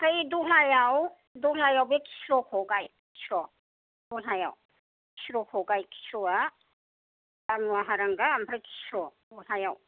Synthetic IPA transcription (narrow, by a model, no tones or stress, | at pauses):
tʰajduɦajaw | duɦajawbekʰi̥sɾɔkʰɔɡajkʰi̥sɾɔ | bɔɦaja̰w | kʰi̥sɾɔkʰɔɡajkʰi̥sɾɔa | banuaɦaɾaŋɡaːmpʰajkʰi̥sɾɔbɔjɦajaw